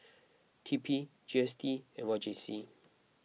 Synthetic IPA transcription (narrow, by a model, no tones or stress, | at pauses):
tʰipʰi | d͡ʒiɛstʰiɛmad͡ʒɛ̃nsi